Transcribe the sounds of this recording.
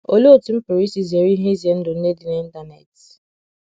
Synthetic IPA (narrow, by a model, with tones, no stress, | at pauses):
o˨lo˦o˨tu˨˦m̩˦pi˨ɾi˦si˦ze˨ɾi˦ɦe˦i˦zje˨n̩˦dʊ˨n̩˦ne˦di˨ne˦n̩˦da˦na˨t